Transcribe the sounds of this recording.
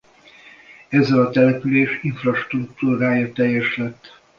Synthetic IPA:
ɛzːɛlɒt̪ɛlɛpyleːʃiɱfrɒʃt̪rukt̪uːɾaːjɒt̪ɛjːɛʃlɛt̪ː

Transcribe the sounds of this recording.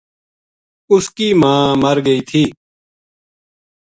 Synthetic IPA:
ʊskiːmãːməɾɡəiːt̪ʰiː

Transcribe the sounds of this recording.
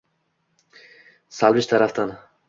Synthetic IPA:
salˠbɪʃt̪ʰaɾaft̪an

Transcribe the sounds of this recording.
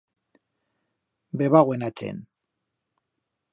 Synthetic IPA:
beβaɣwenat͡ʃḛn

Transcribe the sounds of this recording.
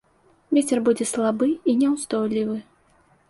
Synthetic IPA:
vʲet͡sʲɛrbud͡zʲɛslˠabɨinʲɛwzd̪ɔjlʲivɨ

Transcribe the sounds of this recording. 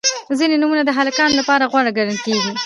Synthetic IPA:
zinenumunad̪əɦalakɑnlapɑɾaɣwaɽaɡaɽəlkeɡi

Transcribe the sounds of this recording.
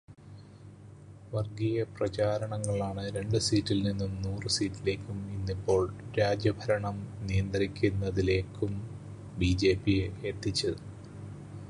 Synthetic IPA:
ʋɐrɡijɐprɐt͡ɕaːɾɐɳɐŋːɐɭaːɳɨɾe̞ɳɖɨsiːtːilninːumnuːrɨsiːtːile̞ːkʲːuminːipːo̞ːɭɾaːd͡ʑjɐbʱɐɾɐɳɐmnijɐnd̪rikʲːunːɐðile̞ːkːum | bid͡ʑe̞ːpːijeet̪ːit͡ɕːɐ

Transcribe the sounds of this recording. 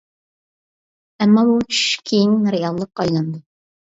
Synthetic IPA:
ɛmːɑbut͡ʃʰy̥ʃʃkʲʰejinɾejɑlˠːəqːɑjlˠɑnd̪u

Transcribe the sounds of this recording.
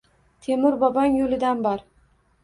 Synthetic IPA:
t̪ʰe̞mɪɾbɒbaŋjolɪd̪anbɒɾ

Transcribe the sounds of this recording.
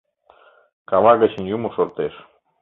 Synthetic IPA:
kaβaɣət͡ɕinʲjumosoɾt̪eʃ

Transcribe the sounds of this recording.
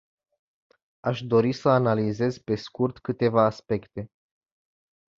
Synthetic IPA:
aʃd̪o̞ɾisəanalize̞zpe̞skurt̪kɨt̪e̞vaːspe̞kt̪e̞

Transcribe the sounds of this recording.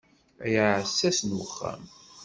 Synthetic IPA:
æjəʕʕəsːæsnwəχːæ̰m

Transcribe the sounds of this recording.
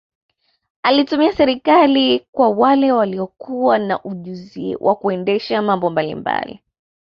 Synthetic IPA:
alitumiasɛɾikalikwawalɛwaliɔkuwanaʔuʄuziɛ̰wʔa̰kuɛndɛʃamambɔmbalḭmba̰lḭ

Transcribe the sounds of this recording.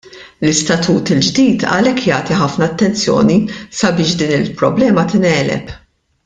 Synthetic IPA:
lɪst̪ɐt̪ʰuːt̪ɪld͡ʒd̪iːt̪ɐ̰lɛkːjɐːt̪iħɐfnɐːt̪ːɛnt͡sjɔ̰ːnisɐbɪːʃd̪iːnɪlpɾɔblɛːmɐt̪ɪnɛːlɛ̰p

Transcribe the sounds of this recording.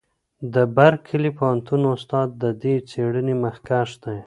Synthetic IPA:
d̪əbaɾkʰːəlipowant̪unʊst̪ɑd̪̚ːəd̪et͡seɽənimaxkaʃd̪aj

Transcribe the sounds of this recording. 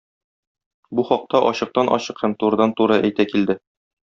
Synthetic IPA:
buχɒq̚t̪ɑʔɒɕɤ̆q̚t̪ɑnʔɒ̰ɕɤqhæmt̪uɾɤ̆d̪ɑnt̪uɾɤʔæjt̪ækild̪ɘ

